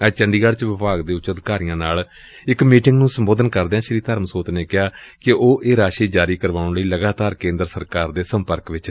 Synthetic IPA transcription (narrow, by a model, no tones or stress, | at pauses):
ɛt͡ʃəɳɖiːɡəɽt͡ʃʋɪpaːɡd̪eːʊt͡ʃəd̪kaːɾɪjãːnaːl | ɪkmiːʈɪ̃ŋɡnũːsəmboːd̪ənkəɾd̪eːãːʃɾiːt̪əɾmsoːt̪neːkɪaːkɪoːʔeːɾaːʃiːd͡ʒaːɾiːkəɾʋaːʊ̃ɳləiːləɡaːt̪aːɾkẽːnd̪ɾəsəɾkaːɾd̪eːsəmpəɾkʋɪt͡ʃ